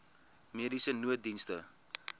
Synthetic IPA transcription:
miədisənuət̚dinstə̰

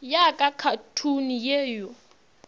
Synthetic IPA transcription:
jakʼakʰatʰunijɛːjɔ

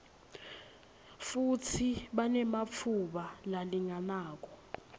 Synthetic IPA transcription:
futʰiɓanɛmap̪fʰuɓalaliŋanaːk̬ɔ

